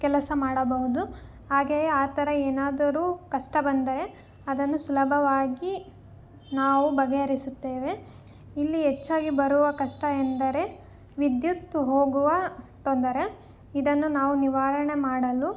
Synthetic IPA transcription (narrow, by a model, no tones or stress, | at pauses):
kɛlɐsɐmaːɽɐbɐɦud̪u | ɦaːɡeːjeaːt̪ɐɾɐeːnaːd̪ɐɾuːkɐʂʈɐbɐnd̪ɐɾe̞ | ɐd̪ɐnːusulɐbʱɐʋaːɡi | naːʋubɐɡeɐɾisut̪ːeːʋe̞ | ilːiɦet͡ʃːaːɡibɐɾuʋɐkɐʂʈɐend̪ɐɾe̞ | ʋid̪jut̪ːuɦoːɡuʋɐt̪ond̪ɐɾe̞ | id̪ɐnːunaːʋuniʋaːɾɐɳe̞maːɽɐlu